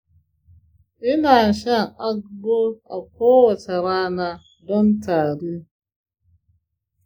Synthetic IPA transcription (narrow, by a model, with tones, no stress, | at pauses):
ɪ˦na˨ʃa˦˨a˦ɡo˦a̰˨k̚ɔ˦wɔ˨ta˨ɾa˦na˨ | dɔ˦n̩˦ta˨ɾi˦